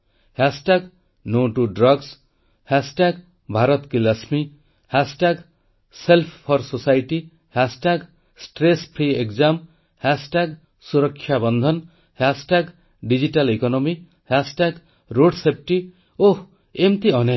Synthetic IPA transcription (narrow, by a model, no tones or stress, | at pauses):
hasʈaɡ | noʈuɖɾʌɡs | hasʈaɡ | bʱaɾɔt̪kilasmi | hasʈaɡ | selpʰpʰɔɾsosajʈi | hasʈaɡ | sʈɾespʰɾiekzam | hasʈaɡ | suɾʌkʰːjabʌnd̪ʱʌn | hasʈaɡ | ɖid͡ʒiʈalekɔnɔmi | hasʈaɡ | ɾoɖsep̚ʰʈi | oh | emt̪iʌne